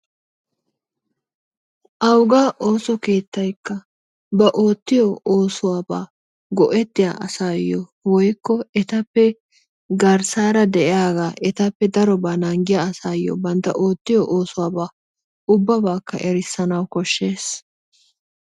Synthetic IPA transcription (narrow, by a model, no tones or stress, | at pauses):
ʔɐwɡaːʔo̞ːsɔke̞ːt̪ːɐjkːɐ | bɐʔo̞ːt̪ːɪjɔoːsʊwaːba̰ː | ɡɔʔɛt̪ːɪja̰ːʔɐsajɔwɔjkːɔɛt̪ɐpːɛ | ɡɐɾsaːɾɐd̪ɛʔɪaːɡaːʔɛt̪ɐpːɛd̪ɐɾɔbaːnɐŋɡɪjaɐsaːjːɔ̰bɐnt̪ːɐ̰ʔo̞ːt̪ːɪjɔʔo̞ːsʊwaːbaː | ʊbːɐbaːkːɐ̰ʔɛɾɪsːɐnɐwkɔʃːe̞ːs